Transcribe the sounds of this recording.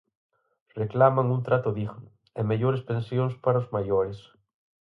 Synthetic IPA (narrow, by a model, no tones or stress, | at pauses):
reklamaŋunt̪ɾat̪oðiɣn | emeʎoɾespẽnsjonspaɾaozmajoɾes